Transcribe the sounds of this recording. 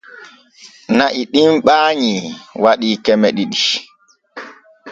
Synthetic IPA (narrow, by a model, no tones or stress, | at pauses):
naʔiɗimɓaːɲiwaɗikɛmɛɗiɗi